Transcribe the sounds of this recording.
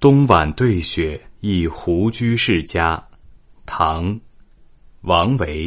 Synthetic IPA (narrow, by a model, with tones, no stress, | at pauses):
t̪ʊ˥ŋwa˨˩nt̪we˥˩ɪɕɥɛ˨˩i˥˩xu˧˥t͡ɕy˥ʂɻ̩˥˩t͡ɕja˥ | t̪ʰɑ˧˥ŋ | wɑ˧˥ŋwe˧˥ɪ